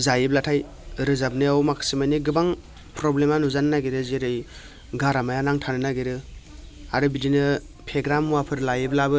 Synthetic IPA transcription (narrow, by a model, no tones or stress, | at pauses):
zajiblatʰaj | ɾɯzab̚nɯawmakʰɯ̥simajniɡɯbaŋ | pɾɔblemanuzanɯnaɡiɾɯzeɾɯj | ɡaɾamajanaŋtʰanɯnaɡeɾɯ | aɾɯbidinɯ | pʰeɡɾamuwapʰɯɾlajiblabɯ